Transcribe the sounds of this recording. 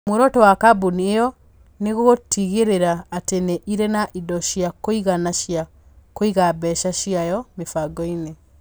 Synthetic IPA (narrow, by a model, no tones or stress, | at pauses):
moɾɔtɔwakabuniejɔ | neɣoɣotiɣeɾeɾaːteneʔiɾenaʔidɔʃiakoiɣanaʃja | koiɣabɛʃaʃiajɔmefaɡɔine